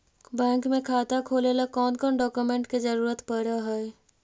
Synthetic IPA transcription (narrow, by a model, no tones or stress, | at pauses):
bɛ̃ːŋkmẽkʰaːt̪akʰoːlelakɔːnkɔːnɖɔːkjumẽɳʈked͡ʒəɾuːɾət̪pəɽaɦɛe